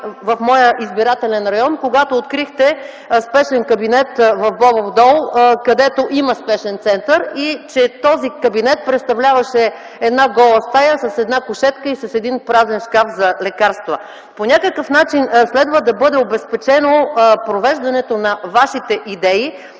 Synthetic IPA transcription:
vɐfmɔjəʔizbiɾat̪ɛlɛnɾɐjɔnkoɡat̪oːt̪kɾixt̪ɛ | spɛʃɛnkɐbinɛt̪vɐvbɔbovd̪ɔlˠkɐd̪ɛt̪oʔiməspɛʃɛnt̪sɛnt̪əɾit͡ʃɛt̪ɔzikɐbinɛt̪̚pɾɛt̪st̪ɐvlʲavɐʃɛ | ɛd̪naɡɔlˠəst̪ajəsɐsɛd̪nakʊʃɛt̪kəisɐsɛd̪inpɾazɛnʃkafzɐlɛkaɾst̪və | ponʲakəkəfnat͡ʃinslɛd̪vəd̪ɐbɤd̪ɛobɛspɛt͡ʃɛnopɾovɛʒd̪ɐnɛt̪onɐvaʃit̪ɛʔid̪ɛi

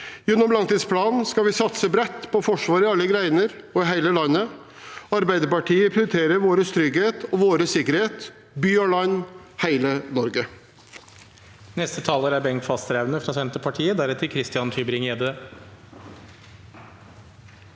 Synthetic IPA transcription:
jɛnːɔmlɑŋt̪iːd̪spʰlɑːnskɑʋɪsɑt̪səbɾɛt̪ːpʰɔfɔʂʋɑːɾɪɑlːəɡɾæɪnəɾɔɪɦæɪləlɑnːə | ɑɾbæɪd̪əɾpɑʈʰiːəpʰɾɪʊɾɪt̪ʰeːɾəɾʋoːɾəst̪ɾʏɡheːt̪ɔʋoːɾəsɪkəɾheːt̪ | byːɑlɑnː | hæɪlənɔɾɡə | nɛst̪ət̪ʰɑːləɾæɾbɛŋt̪fɑst̪ɾæʋnəfɾɑsɛnt̪əpʰɑʈʰiːəd̪æɾɛt̪ʰːəɪkʰɾɪst̪ɪɑnt̪ʰyːbɾɪŋeːd̪ə

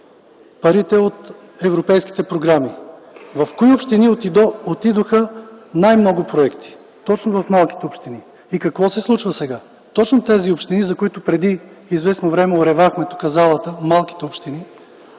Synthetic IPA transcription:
pɐɾit̪ɛot̪ | ɛvɾopɛjski̥t̪ɛpɾoɡɾami | vɐfkoiopʃt̪iniot̪id̪ot̪id̪oxənajmnɔɡʊpɾoɛkt̪i̥ | t̪ɔt͡ʃnovɐfmalˠkʲi̥t̪ɛopʃt̪ini | ikɐkvɔsɛslˠut͡ʃvəsɛɡa | t̪ɔt͡ʃnot̪ɛziopʃt̪inizɐkoit̪ʊpɾɛd̪i | izvɛsnovɾɛmɛoɾɛvaxmɛt̪okɐzalˠət̪əmalˠki̥t̪ɛopʃt̪ini

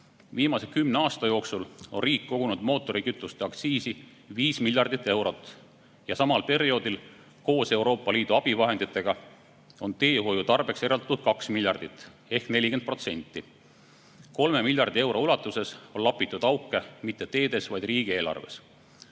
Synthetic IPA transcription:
viːmɑsekymneɑːst̪ɑjo̞ːksulo̞nriːkːo̞ɡ̥unud̪̥mo̞ːt̪ːˑo̞ɾikyt̪ˑːust̪eɑkt̪siːsi | viːsmilʲjɑrd̪it̪ːˑe̞wɾo̞t̪ːˑ | jɑsɑmɑlpe̞ɾio̞d̪̥il | ko̞ːse̞uɾo̞ːpːˑɑliːd̪̥uɑb̥ivɑɦend̪it̪ːˑe̞ɡ̥ɑ | o̞nt̪e̞ːɦo̞jut̪ɑrb̥e̞kse̞ɾɑld̪̥ɑt̪ud̪̥̚kɑksmilʲjɑrd̪̥it̪ːˑ | e̞hkne̞lʲike̞nt̪̚pro̞t̪se̞nʲt̪ːˑi | ko̞lme̞milʲjɑrd̪ie̞wɾo̞ulɑt̪ːˑuse̞so̞nlɑpːˑit̪ːˑud̪̥ɑwkːˑemit̪ːe̞t̪e̞ːd̪e̞svɑjd̪̥riːɡ̥ie̞ːlɑ̰rve̞̰s

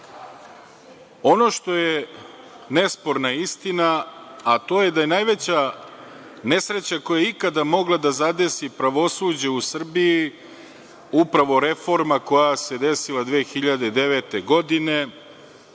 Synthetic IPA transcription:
o̞no̞ʃt̪o̞je | ne̞spo̞ɾnaist̪inaat̪o̞ːje̞d̪aje̞najʋe̞t͡ɕa | ne̞sɾe̞t͡ɕako̞jaeikad̪amo̞ɡlˠad̪azad̪e̞sipɾaʋo̞suːd͡ʑe̞usr̩biji | upɾaʋo̞ɾe̞fo̞ɾmako̞jase̞d̪e̞silad̪ʋeːxiʎad̪ed̪e̞ʋe̞t̪eɡo̞d̪ine̞

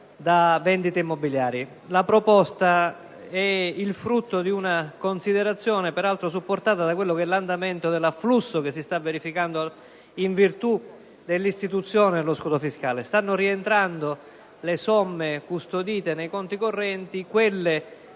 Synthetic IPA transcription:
d̪avɛnd̪it̪eimːobiljaːɾji | lapɾopɔst̪a | ɛilfɾut̪ːod̪iunakonsid̪eɾat̪sːjɔːnepeɾalt̪ɾosupːort̪aːt̪ad̪akwelːokɛlːand̪amɛnt̪od̪elaflusːok̟es̬ːist̪avːeɾifikand̪o | iɱvirt̪u | d̪elːist̪it̪ut̪sːjɔːneloskuːd̪ofiskaːlest̪anːoɾient̪ɾand̪o | lesɔmːekust̪od̪iːt̪enejkɔnt̪ikorːɛnt̪ikwelːe

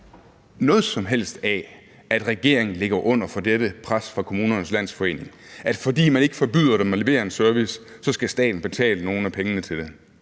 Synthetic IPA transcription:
nɔ̽ːð̞̩ˠsɒ̽mɦel̰sd̥æ | ʔæd̥ʁɛɡ̥e̝ɐ̰eŋn̩le̝ɡ̥ɐʔɔ̽n̰ɐfɒ̽d̥eɾəpʰʁasfʁɑ̈kʰo̝muːnɐnəslæn̰sfɒ̽e̝̰ːne̝ŋʔæd̥fɒ̽d̥ḭːmæne̝ɡ̥ə̥fɒ̽b̥yð̞̰ˠɐɾ̥emæleʋe̝̰ːɐe̝nsɶɐʋisː | ɒ̽sɡ̥æsd̥ɛ̰ːd̥n̩b̥e̝t͡sʰɛ̰ːləno̝ːn̩æpʰeŋənət͡sʰe̝ld̥e̝

